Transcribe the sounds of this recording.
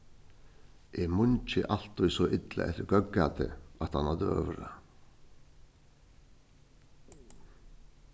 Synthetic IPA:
ʔɛmʊnt͡ʃɪʔal̥t̪ːɔjsɔʔɪt̪la̰ʔɛ̰ht̪ɪɾɡœkːat̪ɪ̰at̪hanhad̪ɪœ̰ːvɾa̰

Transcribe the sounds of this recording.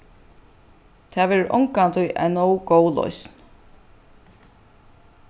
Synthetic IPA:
t̪ʰaʋɛːɾɪɾʔɔ̰ŋkant̪ʰʊjʔa̰nowɡoːwlɔ̰jsn

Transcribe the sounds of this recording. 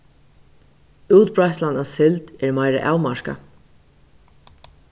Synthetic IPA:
uːt̪̚bɹajhst̪lanasɪlt̪ɛɹmajɾɪ̰ʔaːwmaɹka̰

